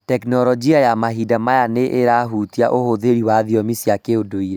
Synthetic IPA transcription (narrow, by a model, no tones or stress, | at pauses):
tɛknɔɾɔd͡ʒiajamaɦidamajaneʔeɾaɦuːtiaʔohoðeɾiwaðiɔmisiakeodoiɾɛ